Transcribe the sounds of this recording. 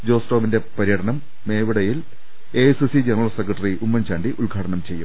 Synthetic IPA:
d͡ʑo̞ːsʈoːminde̞pɐɾijɐʈʰɐnɐmː | e̞ːʋiɽɐjil | eːsisid͡ʑɐnɐrɐɭlsekrɐʈːɐriʔumːɐnt͡ɕaːɳɖiʔulɡʱaːʈɐnɐmt͡ɕe̞jːum

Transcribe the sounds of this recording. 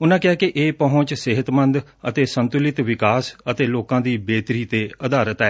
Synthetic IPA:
ʊnãːkɪaːkɪʔeːpəɦʊ̃t͡ʃsɪɦət̪mənd̪ə̰t̪eːsənt̪ʊlɪt̪ʋɪkaːsət̪eːloːkãːd̪iːbeːt̪ɾiːt̪eːəd̪aːɾət̪ɛː

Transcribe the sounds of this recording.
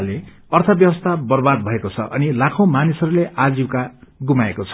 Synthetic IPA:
le | ʌrt̪ʰʌbjʌbʌst̪ʰabʌrbad̪̚bʱʌekot͡sʰʌ̰ʔʌ̰nilakʰõmanisʌɾuleʔad͡ziwkaɡumaekot͡sʰʌ̥

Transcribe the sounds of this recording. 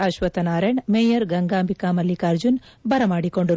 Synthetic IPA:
ɐʃʋɐt̪ɐnaːɾeɳmeːjɐɾɡɐŋɡaːmbikaːmɐlːikaɾd͡ʒun | bɐɾɐmaːɽikoɳɖu

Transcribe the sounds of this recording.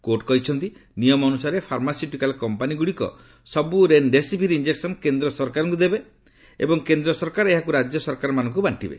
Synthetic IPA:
koʈkɔɦit͡ʃʰɔnt̪inijɔmɔnusaɾepʰaɾmasiʈikalkɔmpaniɡuɽikɔ̰ | sɔbuɾenɖesipiɾind͡ʒeksɔnkend̪ɾɔsɔɾkaɾɔŋkud̪ebe | ḛbɔŋkend̪ɾɔsɔɾkaɾeɦakuɾad͡ʒjɔsɔɾkaɾmanɔŋkubaɳʈibḛ

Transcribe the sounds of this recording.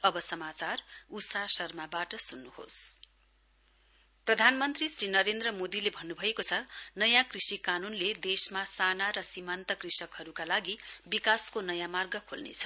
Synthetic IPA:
ʌbʌsʌmat͡sarusasʌrmabaʈʌsunːuho̰s | prʌd̪ʱanmʌnt̪risrinʌɾend̪rʌmod̪ilebʱʌnːubʱʌekot͡sʰʌnʌjãkrisikanunled̪esmasanaɾʌsimant̪ʌkrisʌkɦʌɾukalaɡibikaskonʌjãmarɡʌkʰolnḛt͡sʰʌ̥

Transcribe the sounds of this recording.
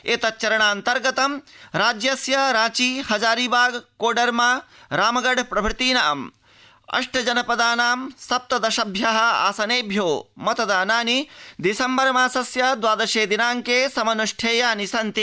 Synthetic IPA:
eːt̪ɐt̚t͡ʃɐɾɐɳaːnt̪ɐɾɡɐt̪ɐmɾaːd͡ʒjɐsjɐɾaːt͡ʃiːhɐd͡ʒaːɾiːbaːɡkoːɖɐɾmaːɾaːmɐɡɐɖpɾɐbʱɾɪt̪iːnaʔɐ̰m | ɐ̰ʂʈʰɐd͡ʒɐnɐpɐd̪aːnaːmsɐp̚t̪ɐd̪ɐʃɐbʱjɐɦɐ̆a̰ːsɐneːbʱjoːmɐt̪ɐd̪aːnaːnid̪isɐmbɐɾɐmaːsɐsjɐd̪ʋaːd̪ɐʃeːd̪inaːŋkeːsɐmɐnuʂʈʰeːjaːnisɐnt̪i

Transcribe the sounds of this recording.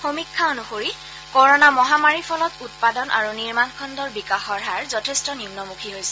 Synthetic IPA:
xomikʰːaonuxoɹi | kɔɹɔnamɔɦamaɹipʰɔlɔtut̚padɔnʔa̰ɹuniɹmankʰɔndɔɹbikaxɔɹɦaɹzɔtʰestɔnimnɔmukʰiɦojsɛ̥

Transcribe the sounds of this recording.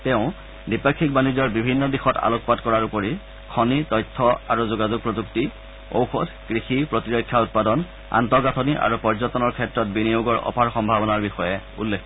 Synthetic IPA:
tɛʊ̃ | dipakʰːik̚banizɔɹbibʱinːɔdixɔta̰lok̚patkɔɹaɹupoɹi | kʰɔnitɔjtʰːɔa̰ɹuzuɡazuɡ̚pɹozukti | o̰wxɔt | kɹixipɹotiɹokʰːjaut̚padɔn | a̰ntɔɡatʰɔniʔa̰ɹupɔɹzɔtɔnɔɹkʰɛtɹɔt̚binijoɡɔɹʔɔ̰pʰaɹxɔmbʱabɔnaɹbixɔjɛṵlːekʰ

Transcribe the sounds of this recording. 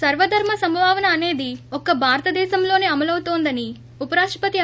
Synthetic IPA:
sɐɾʋɐd̪ʱɐɾmɐsɐmbʱaːʋɐnɐːne̞ːd̪iɔkɐbʱaːɾɐt̪ɐd̪ɛːʃɐmlo̞ːneːɐmɐlɐwut̪oːnd̪ɐni | upɐɾaːʂʈɾɐpɐt̪i

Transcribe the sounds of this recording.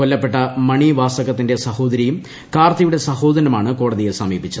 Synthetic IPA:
kolːɐpːe̞ʈːɐmɐɳiʋaːsɐɣɐt̪ːinde̞sɐho̞ːd̪ɐɾijum | kaːrt̪ːɐjuɽe̞sɐho̞ːd̪ɐɾɐmaːɳɨko̞ːɽɐðijesɐmiːpːit͡ɕːuɐðɨ

